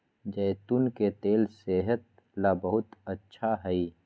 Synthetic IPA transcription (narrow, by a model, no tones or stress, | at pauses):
d͡ʒɐt̪unket̪eːlseɦət̪̚ | laːbəɦʊt̪ətːʃʰaɦɛi